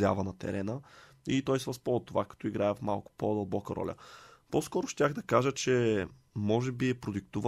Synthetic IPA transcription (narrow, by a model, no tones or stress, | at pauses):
ja̰vənɐt̪ɛ̰ɾɛnə | it̪ɔjsɛvɐspɔt̪ːovakɐ̥t̪ɔiɡɾaɛfma̰lˠkʊ̥pod̪əlˠbɔkəɾɔ̰lʲə̰pɔskɔɾʊʃt̪ʲaɣd̪ɐkaʒət͡ʃɛ | mɔʒɛbiɛpɾod̪ik̚t̪uvə